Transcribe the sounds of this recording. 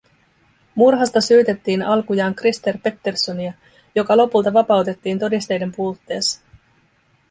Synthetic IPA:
murɦɑst̪ɑsyːt̪e̞t̪ːiːnɑlkujɑːŋkrist̪e̞rpe̞t̪ːe̞rso̞niɑ | jo̞kɑlo̞pult̪ɑʋɑpɑwt̪e̞t̪ːiːnt̪o̞dist̪e̞jde̞mpuːt̪ːe̞ːs

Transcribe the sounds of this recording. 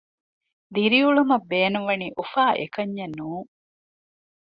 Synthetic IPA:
d̪iɾiuɭumɐbːeːnuʋɐniːʔufaːʔḛkɐɲːenːuːŋ

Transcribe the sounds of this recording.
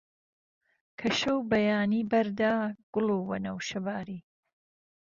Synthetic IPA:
kʰɐʃɐwbɐjaːniːbɐɾd̪aːɡ̥ʊluːwɐnɐwʃɐbaːɾiː

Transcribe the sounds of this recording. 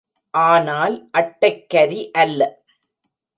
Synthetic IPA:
ʔaːnaːlʔɐʈːɐɪkːɐɾiʔɐlːɐ

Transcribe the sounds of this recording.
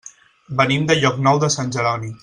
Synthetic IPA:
bənimd̪əʎɔknɔwd̪əsanʲd͡ʒəɾɔni

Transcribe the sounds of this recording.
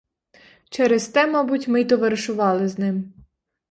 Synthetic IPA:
t͡ʃɛɾɛzt̪ɛmɔbʊtʲmɪjt̪ɔʋɐɾɪʃʊʋɑlˠɪznɪm

